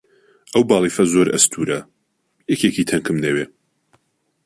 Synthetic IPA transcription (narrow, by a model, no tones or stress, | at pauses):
ʔɐwbɑːlˠifɐzoɾʔɐ̰st̪ʰuːɾɐ | jɛkʰekit̪ʰɐŋkʰɨmnɐweː